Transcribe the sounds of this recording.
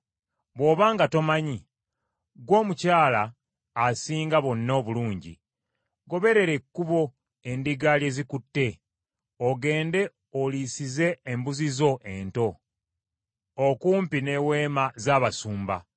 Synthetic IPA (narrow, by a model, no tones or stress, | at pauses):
βwo̞ːβaːŋɡato̞maɲi | ɡwo̞ːmucaːlaː | siːŋɡaβo̞nːoːβuluːɲɟḭ | ɡo̞βe̞ɾe̞ɾe̞kːuβo̞ | e̞ndiɡalje̞ːzikutːe̞ | oɡe̞ːnde̞ | oliːsize̞ːmbuzizo̞ʔe̞nto̞ | okuːmpine̞we̞ːmazaːβasuːmba̰